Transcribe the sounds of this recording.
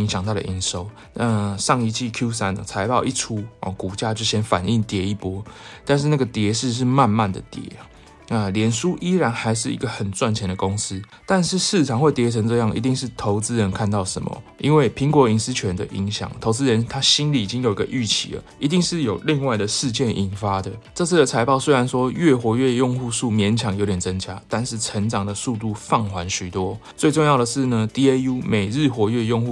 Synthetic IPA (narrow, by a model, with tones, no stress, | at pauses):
i˧˥ŋɕjɑ˨ŋt̪a˥˩ɾə̰˨ʔi˧˥nʂo˥ʊ | na˥˧ʂɑ˥˧ŋi˧t͡ɕʰi˥˧kʰju˥s̬a˦n˨˩t͡sʰa˧˥ɪpɑ˥˧ʊi˥˩ʈ͡ʂʰu˥ɔ̰˨ku˨˩t͡ɕja˥˧t͡ɕjo˥˩ʊɕjɛ˥nfa̰˨˩ni˥˩ŋt̪jɛ˧˥i˥˩pwɔ˦˥t̪a˥˧nʂ̬ɻ̩˥˧na˥˩ɡə˩t̪jɛ˧˥ʂ̬̩˥˩˧ʂ̬ɻ̩˥˧ma˥˧nma˥˩nd̪ə̰˩t̪jɛ̰˨˧˥ | na˥˧ljɛ˨˩nʂu˦˥ʔi˥ɻa˧˥nxa˧˥ɪʂɻ̩˥˩ḭ˧˥ɡə˧xə˨˩nt͡swa˥˩nt͡ɕʰjɛ˧˥nd̪ə˨ko˦˥ŋs̩˦ | t̪a˥˧nʂɻ̩˥˧ʂɻ̩ʰ˥˩˨ɑ˨˩ŋxwe˥˩ɪt̪jɛ˧˥t͡sʰə˧˥ŋʈ͡ʂɤ˥˧jɑ˥˨˩ŋḭ˧˥t̪i˥˧ŋʂɻ̩˥˩t̪ʰo˧˥ʊt͡sɹ̩˦ɻə˧˦nkʰa˥˧nt̪ɑ˥˩ʊʂə̰˧˦mə̰˨i˦nwe˥˩ɪpʰi˧˥ŋkwɔ˧˥i˧˥ns̩˥t͡ɕʰɥɛ˧˦nd̪ə˧ʔḭ˧˥ŋɕjɑ̰˨˩˦ŋt̪ʰo˧˥ʊt͡sɹ̩˥ɻə˧˦nt̪ʰa˦ɕi˥nli˨˩i˨˩t͡ɕi˦ŋjo˨˩i˧ɡə̰˧ʔy˥˩t͡ɕʰḭ˨˥lə̰˩ | i˧˥t̪̬i˥˧ŋʂɻ̩˥˩jo˨˩ʊli˥˧ŋwa˥˩ɪd̪ə˩ʂɻ̩˥˧t͡ɕjɛ˥˩nʔi˨˩nfa˥d̪ə˨ʈ͡ʂɤ˥˧t͡s̩ʰ˥˩d̪ə˩t͡sʰa˧˥ɪpɑ˥ʊswe˥ɪɻa˧˦nʂwɔ˦ɥɛ˥˩xwɔ˧˥ɥɛ˥˧jo˥˧ŋxu˥˧ʂu˥˩mjɛ˧˥nt͡ɕʰjɑ˨˩ŋjo˧˥ʊt̪jɛ˨˩nt͡sə˦˥ŋt͡ɕja˦˥t̪a˥˧nʂɻ̩˥˩ʈ͡ʂʰə˧˥ŋʈ͡ʂɑ˨˩ŋd̪ə˩su˥˧t̪u˥˧fɑ˥˩ŋxwa˧˦nɕy˨˩t̪wɔ˦t͡swe˥˧ɪʈ͡ʂo˥˧ŋjɑ˥˩ʊd̪ə˩ʂɻ̩˥˩nə˩t̪i˥e˥u˥me˨˩ɪɻɻ̩˥˩xwɔ˧˥ɥɛ˥˧jo˥˧ŋxu˥˩